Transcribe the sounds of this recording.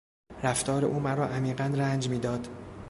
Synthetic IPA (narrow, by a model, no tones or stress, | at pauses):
ɾæft̪ʰɒːɾeʔuːmæɾɒːʔæmiːɢænɾænd͡ʒmiːd̪ɒːd̪